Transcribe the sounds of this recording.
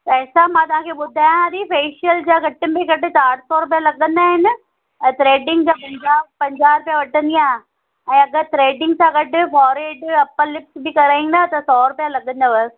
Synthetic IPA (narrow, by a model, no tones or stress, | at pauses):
ɐɦːsamãt̪ɐʋãːkʰeːɓʊd̪ʱaːjãd̪ifeːʃijəld͡ʑaːɡɐʈɪnbẽkɐʈɪt͡ɕaːʈʰsɔːɾʊp̬jalɐɠə̃nd̪aːɦɪnɪ̆̃ | t̪ɾeːɖɪ̃ŋɡd͡ʑaːpɐ̃ɲd͡ʑaːpɐ̃ɲd͡ʑaːɾʊpjaʋɐʈə̃nd̪ijãː | ɛ̃ːɐɡət̪ɾeːɖɪ̃ŋɡsãːɡɐʈɪ̆fɔːɾeːɖɐpəlɪp̚sbɪkɐɾaːĩnd̪aːt̪ɐsɔːɾʊpjalɐɠə̃nd̪ɐʋɐ